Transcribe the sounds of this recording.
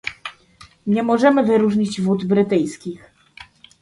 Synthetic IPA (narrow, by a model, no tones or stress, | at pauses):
ɲɛmɔʐɛmɘvɘɾuʐɲid͡ʑvud̪bɾɘt̪ɘjskʲix